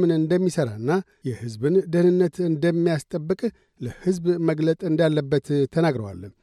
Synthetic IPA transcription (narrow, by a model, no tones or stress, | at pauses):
mɨnɨnd̪əmːisəɾa̰ɨnːa | jɛhɨzbɨnd̪əhnɨnːət̪ɨnd̪əmːijast̪ʼəbːɨkʼ | ləhɨzbməɡlət̪ʼɨnd̪alːəbːət̪ʰːənaɡɾəwa̰lː